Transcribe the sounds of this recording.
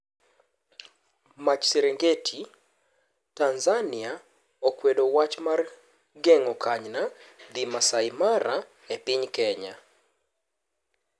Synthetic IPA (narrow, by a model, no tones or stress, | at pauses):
mat͡ʃseɾeŋɡetʰi | tanzanɪa | okwedowat͡ʃmar | ɡeŋɔkʰaɲnad̪imasajmaɾa | epɪɲkɛɲa̰